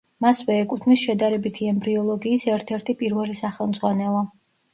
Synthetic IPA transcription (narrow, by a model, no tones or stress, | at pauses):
masvɛːkʼut̪ʰmisʃɛd̪aɾɛbit̪ʰiɛmbɾiɔlˠɔɡiːsɛɾt̪ʰɛɾt̪ʰipʼiɾvɛlisaχɛlˠmd̪zʁwanɛlˠɔ